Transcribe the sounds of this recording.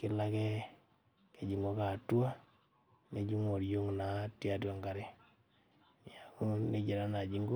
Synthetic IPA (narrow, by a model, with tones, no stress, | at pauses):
kɪ˦la˦kɛ˦ | ke˨d͡ʒi˨ŋɡo˦ka˨twa˦ | ne˨d͡ʒi˦ŋo˨ɾjo˦ŋna˨˦tja˦˨t̬wa˨ŋɡa˨ɾe˦ | n˨a˨ŋu˦ne˦d͡ʒe˨ɾa˦na˨d͡ʒi˦ŋɡo˦